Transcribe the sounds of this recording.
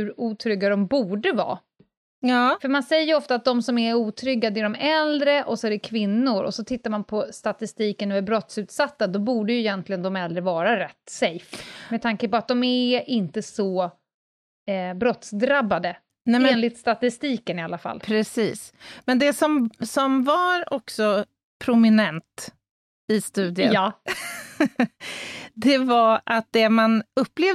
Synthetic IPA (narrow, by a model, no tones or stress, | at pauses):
hʉɾuːt̪ʰɾʏɡːad̪ɔmbuːɖəvɑ̰ː | ɑːfœɾmansɛjːəɾɔft̪at̪̚d̪ɔmsɔmæɾuːt̪ʰɾʏɡːad̪æɖɔmɛld̪ɾəʔɔsɔæɖɛkʰvɪnːʊɾɔ̰sɔt̪ʰɪt̪ːaɾmanpʰɔst̪at̪ɪst̪iːkənʉæɾbɾɔt̪sʉ̟ːt̪sat̪ːad̪ɔbuːɖəjɵɪjɛnt̪ʰlɪɡənd̪ɔmɛld̪ɾəvɑːɾaɾɛt̪ːsɛjfmɛd̪t̪ʰaŋkəpɔat̪̚d̪ɔmæʔɪnt̪əsɔ | bɾɔt̪sd̪ɾabːad̪ə | nɛmeːnlɪt̪st̪at̪ɪst̪iːkənɪalːafa̰lːpʰɾɛsḭːsmɛnd̪ɛsɔmsɔmvaɾɔksɔ | pʰɾʊmɪnɛnt̪ | ɪst̪ʉ̟ːd̪ɪə | d̪ɛvaɾʔat̪̚d̪ɛmanɵpːleː